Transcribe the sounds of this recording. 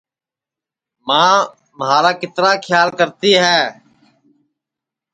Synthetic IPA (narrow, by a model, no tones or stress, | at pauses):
mãː | mɦaːɾaːkɪt̪ɾaːkʰjaːlkəɾt̪iːɦɛː